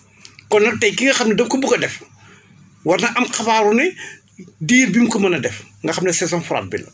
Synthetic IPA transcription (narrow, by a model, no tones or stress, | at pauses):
kɔnːɐtɛjkiŋɡɐxɐmnɐdɐmkubukɐdɛf | wɐrnɐʔɐmxɐbaːɾunɛ | diːɾbimkɔmɐnɐdɛfŋɡɐxɐmnɐsɛzɔ̃nfuɾa̰ːt̚bḭlɐ̰